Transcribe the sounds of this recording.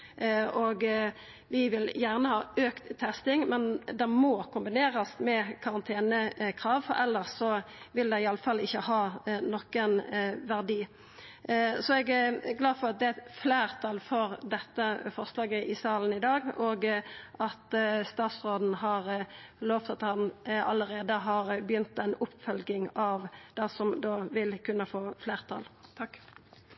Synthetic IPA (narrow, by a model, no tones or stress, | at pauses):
ʔɔːɡ | ʋɪʋɪljæʁnəhɑːøːkt̪ʰːɛst̪ɪŋmɛnd̪ɛmɔkʰʊmbɪneːɾɑsmɛkʰɑʁɑnt̪ʰeːnəkʰʁɑːʋfɔ̰ɾɛlːəʁsɔʋɪld̪ɛɪɑlːəfɑlːɪçːəhɑːnɔkːənʋæʁd̪iː | sɔɛɡæɡlɑːfɔʁɑt̪̚d̪ɛæflæːʁt̪ʰɑlfɔʁd̪ɛt̪ːəfɔʁslɑːɡəʔɪsɑːlən̩ɪd̪ɑːɡoːɡʔɑt̪st̪ɑːt̪sʁoːd̪n̩ɦɑʁloːft̪ɑt̪hɑnɑlːəɾeːd̪əɦɑːɾbjʏnt̪ænʊpːfœlɡɪŋɑʋd̪̥ɛsɔmd̪oːʋɪlkʰʉnːəfoːfleːʁt̪ʰɑ̰ːlt̪ʰɑkː